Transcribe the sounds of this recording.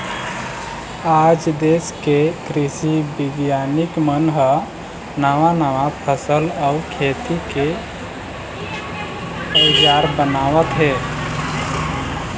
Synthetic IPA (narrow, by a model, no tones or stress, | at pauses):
ad͡ʒd̪eskekɾisibiɡjanikmənɦə | naʋanaʋapʰəsəlaukʰet̪ike | əɪd͡ʒaɾbənawət̪ɦɛ